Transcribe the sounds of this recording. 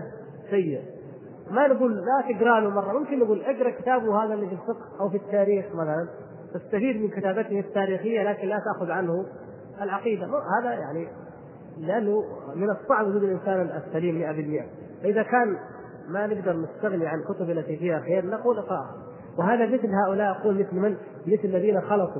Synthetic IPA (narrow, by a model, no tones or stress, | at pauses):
sajːɪʔ | manɪɡuːlːat̪ɪɡɾɑːlumɑrˤːɑmʊmkɪnːɪɡuːlʔaɡɾˤɑkɪt̪aːbʊhaːðalːifilfɪqhʔawfit̪ːaːɾiːxmaθalan | t̪ast̪afiːd̪mɪnkɪt̪aːbat̪ɪht̪ːaːɾiːxɪjːalaːkɪnlat̪aʔxʊðʕanhʊ | alʕɑqiːd̪amhaːðajaʕni | lɪʔanːʊmɪnɨsˤːɑʕbwʊd͡ʒuːd̪ɪlʔɪnsaːnaasːaliːmmɪʔabɪlmɪʔa | faʔɪðakaːn | manɪɡd̪ɑɾˤnɪst̪aɣniʕankʊt̪ʊbɪlːʔat̪iːfɪjːaxjaːɾnɑquːlʔɑqɑ̰ːʔha | wɪɦaːðamɪθlɦaːʔʊlaːʔɑquːlmɪθlman | mɪθlɪlːaðiːnaxɑlɑt̪ˤu